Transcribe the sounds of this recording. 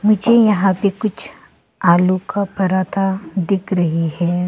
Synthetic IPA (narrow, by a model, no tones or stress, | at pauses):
mʊd͡ʒʱejɐɦãpekʊt͡ʃʰ | aːlukapɐɾaːt̪ad̪ɪkʰɾɐɦiɦɛː